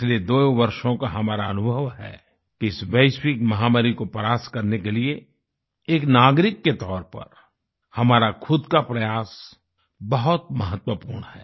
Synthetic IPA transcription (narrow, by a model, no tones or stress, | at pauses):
led̪oːʋɐɾʃõkaɦɐmaːɾaɐnʊbʱəʋɦɛ̰ː | kiɪsʋeɪʃwɪkmɐɦaːmaɾikopəɾaːskɐɾnekelie | eːknaːɡɾɪkːet̪ɔːɾpɐ̰ɾ | hɐmaːɾakʰʊd̪kapɾɐjaːs | bɐɦʊt̪̚mɐɦət̪wəpuːɾɳɦɛː